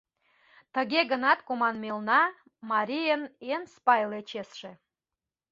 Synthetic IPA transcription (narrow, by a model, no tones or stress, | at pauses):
t̪əɣʲeɣənɑt̪komɑnmelnɑ | mɑɾʲijənenspɑjlet͡ɕesʃe